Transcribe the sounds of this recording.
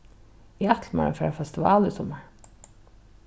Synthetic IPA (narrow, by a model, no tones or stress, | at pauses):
iɑt̪ʰlmɑ̰ə̰fːfɛst̪ɪʋɑːlɪsɔməɹ